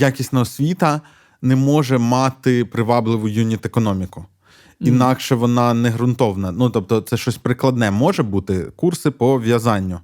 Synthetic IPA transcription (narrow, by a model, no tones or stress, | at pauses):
jakʲisʲtʲnɐɦɔsʲʋʲit̪ɐ | nɛmɔʒɛmɑt̪ɪpɾɪʋɑblˠɪʋʊjunʲit̪ekɔnɔmʲikʊ | inɑkʃɛʋɔnɑnɛɦɾʊnt̪ɔwnɐnut̪ɔp̚t̪ɔt̪sɛʃt͡ʃɔsʲpɾɪklˠɐd̪nɛmɔʒɛbut̪ɪkursɪpɔʋʲjɐzɑnʲːʊ